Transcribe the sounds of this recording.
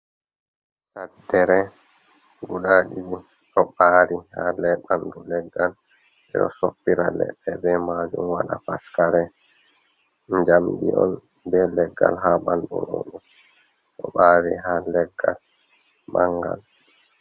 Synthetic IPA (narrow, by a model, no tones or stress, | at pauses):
sadːɛɾɛ | ɡuɗaɗiɗi | ʔɔɓaːɾihalɛɓandulɛɡːal | ʔɛɗɔsopːiɾalɛ̰ɗːɛbɛmad͡ʒumwaɗafaskaɾɛ | ɲd͡ʒamdḭɔn | bɛlɛɡːalɦaɓanduno̰ɗum | ʔɔɓaːɾiɦalɛɡːal | maŋɡal